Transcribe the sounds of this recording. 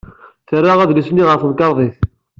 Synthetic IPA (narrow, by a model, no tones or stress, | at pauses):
θərːaʁæðlisnːiʁəɾfəðkɑɾˤðˤiθ